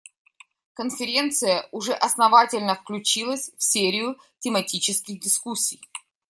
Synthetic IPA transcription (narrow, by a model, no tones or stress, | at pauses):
kənfʲɪɾʲe̞nt̪sɨjəʊʐɛʔɐsnɐvatʲɪlʲnəfklʲʉt͡ɕilˠəsʲfsʲeɾʲɪjʊ | tʲɪmɐtʲit͡ɕɪskʲɪxdʲɪskusʲːij